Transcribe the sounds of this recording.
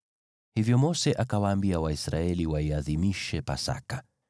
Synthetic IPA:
hivjɔmɔsɛʔakawaːmbiawaisɾaɛliwaiaðimiʃɛpa̰sa̰ka

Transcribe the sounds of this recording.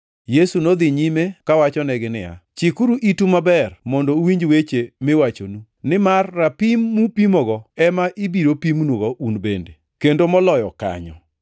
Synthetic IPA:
jesunod̪ɪɲimekawat͡ʃɔnɛɡɪnɪa̰t͡ʃikuɾuʔitumabɛrmɔndowiɲd͡ʒwet͡ʃemɪwat͡ʃo̰nu | nɪmarːapimːupimɔɡɔɛmaʔibiɾopimnwoɡɔʔunbḛnde | kendomɔlɔjɔka̰ɲɔ

